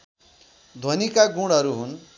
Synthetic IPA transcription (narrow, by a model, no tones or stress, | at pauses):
d̪ʱonikaɡuɽʌɾuɦun